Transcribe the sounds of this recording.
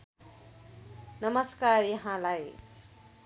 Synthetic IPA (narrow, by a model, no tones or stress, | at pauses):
nʌmʌskarjʌɦãlaj